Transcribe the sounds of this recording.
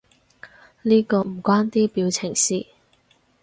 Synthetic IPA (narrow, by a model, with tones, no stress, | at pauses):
liː˥kɔː˧m̩˨˩kʷaː˥nt̪iː˥piː˨˧wt͡sʰɪ˨˩ŋsiː˧